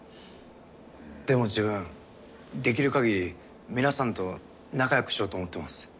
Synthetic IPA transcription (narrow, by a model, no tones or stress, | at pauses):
d̪̥e̞mo̞d͡ʑibɯ̟̃ɴ | d̪e̞k̬ʲiɾɯ̟kaɡʲiɾʲi | mʲinasãnt̪o̞ | nakajakɯ̟̥ɕio̞ːt̪omo̞t̪ːe̞masɨ̥